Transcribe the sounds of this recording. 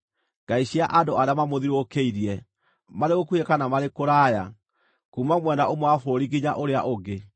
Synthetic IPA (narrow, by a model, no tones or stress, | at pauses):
ɡ̥aiɕiaʔandoaɾeamamoðiɾokeiɾiɛ | maɾeɣokuekanamaɾekoɾaːja | kuːmamwɛndaomwafoːɾiɡiɲaʔoɾeaʔoɡe